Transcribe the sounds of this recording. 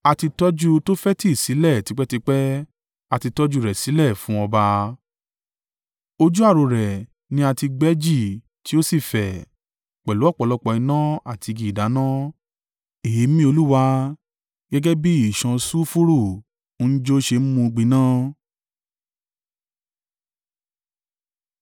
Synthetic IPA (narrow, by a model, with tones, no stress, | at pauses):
a˧ti˧tɔ˦d͡ʒu˦to˦fɛ˦ti˦˨si˨˦lɛ˦˨ti˨˦k͡pɛ˦ti˧k͡pɛ˦ | a˧ti˧tɔ˦d͡ʒu˦˨ɾɛ˨si˨˦lɛ˦˨fũ˨˦ɔ˧ba˧ | o˧d͡ʒu˦a˦˨ɾo˨˧ɾɛ˨ | nĩ˧˦a˧ti˧ɡ͡bɛ˦d͡ʒi˦˨ | ti˦o˦si˦˨fɛ˨ | k͡pɛ˨lu˨˦ɔ˦˨k͡pɔ˨lɔ˦k͡pɔ˧i˧nã˦a˦˨ti˧ɡi˧˨i˨da˨˦nã˦ | e˨i˨˦mĩ˦o˧lu˦wa˧ | ɡɛ˦ɡɛ˦bi˦i˦˨ʃã˧su˦fu˦ɾu˦˨˦ | n̩˦d͡ʒo˦ʃe˧m̩˦mũ˧ɡ͡bĩ˧nãː˦